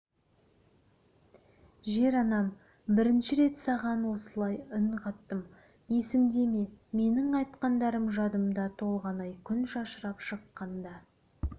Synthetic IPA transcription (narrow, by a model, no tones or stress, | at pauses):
ʒe̞ɾɑnɑm | bɪɾɪnʃɪɾe̞t̪sɑʁɑnwo̞səlˠɑjəɴqʰɑt̪ːəm | e̞sɪmd̪e̞meme̞nɪŋɑjt̪qɑnd̪ɑɾəmʒɑd̪əmd̪ɑt̪ʰo̞lˠʁɑnɑjkʲʰʏnʃɑʃəɾɑpʃəqːɑnd̪ɑ